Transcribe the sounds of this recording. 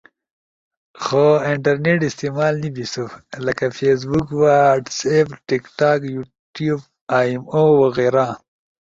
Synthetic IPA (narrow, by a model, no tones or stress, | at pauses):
xoiɳʈɐɾneʈist̪emaːlnibisulɐkafes̬bukwaʈsebʈikʈaːkju | ʈjub | aːmowɐɣeɾa